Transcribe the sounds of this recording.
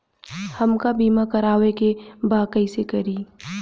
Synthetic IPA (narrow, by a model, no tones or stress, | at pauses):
hɐmkabiːmakɐɾaːwekebaːkəisekɐɾiː